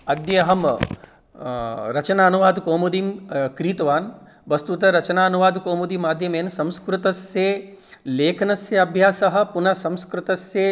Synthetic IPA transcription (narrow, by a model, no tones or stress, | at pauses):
ɐd̪jɐɦɐm | ɾɐt͡ʃɐnaːnuʋaːd̪koːmud̪imkɾiːt̪ʋaːn | ʋɐst̪ut̪ɐɾɐt͡ʃɐnaːɐnuʋaːd̪koːmud̪imaːd̪ʱjɐmeːnsɐ̃mskɾɪt̪ɐse | leːkʰnɐsjɐɐbʱjaːsɐɦɐ̆punɐsɐ̃mskɾɪt̪ɐsːe